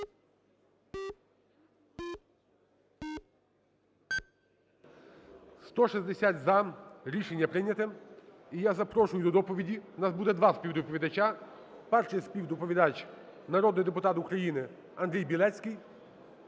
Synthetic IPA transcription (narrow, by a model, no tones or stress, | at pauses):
st̪ɔʃizʲd̪esʲat̪ʲzɐɾʲiʃenʲːɐpɾɪnʲɐt̪ɪm | ijazɐpɾɔʃʊjʊd̪ɔd̪ɔpɔʋʲidʲinazbud̪ɛd̪ʋɑspʲiwd̪ʊpɔʋʲid̪ɐt͡ʃa | pɛrʂɛspʲiwd̪ɔpɔʋʲid̪at͡ʃnɐɾɔd̪nɪjd̪epʊt̪ɑt̪ʊkɾɐjinɪ | ɐnd̪ɾʲijbʲilˠɛt͡sʲkʲij